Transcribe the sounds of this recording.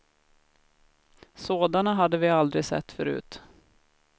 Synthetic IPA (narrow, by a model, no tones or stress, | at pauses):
soːd̪anaɦad̪ːəvɪald̪ɾɪsɛ̰t̪ːfœɾʉ̟̰ːt̪